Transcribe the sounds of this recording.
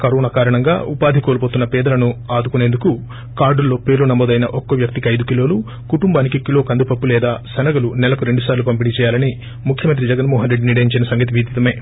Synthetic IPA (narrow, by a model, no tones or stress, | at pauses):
kɐɾɔːnakaːɾɐɳɐŋɡa̰ːupaːd̪ʱikoːlpoːt̪unːɐpɛːd̪ɐlɐnuaːd̪ukune̞ːnd̪uku | kaːɾɖulːo̞ːpe̞ːɾlunɐmoːd̪ɐjnɐʔokːoʋjɐk̚t̪iɐjd̪ukilo̞ːlu | kuʈumbaːnikikilo̞ːkɐnd̪upɐpːulɛːd̪aːsɐnɐɡɐlunɛlɐkuɾe̞ɳɖusaːɾlupɐmpiɽit͡ʃɛːjaːlɐni | mukʰjɐmɐnt̪ɾid͡ʒɐɡɐnmɔːɦɐnɾeɖniːɽeɲt͡ʃɐnɐsɐŋɡɐt̪̬iʋid̪ʱit̪ɐme̞ː